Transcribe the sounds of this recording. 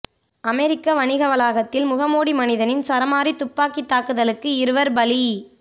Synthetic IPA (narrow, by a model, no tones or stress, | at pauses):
ɐmɛɾɪkːɐʋɐɳɪɣɐʋɐlaːɣɐt̪ːɪlmʊɣɐmoːɽimɐnɪðɐnɪnsɐɾɐmaːɾit̪ʊpːaːkit̪ːaːkɯðɐlɯkːɯɪɾɯʋɐɾbɐli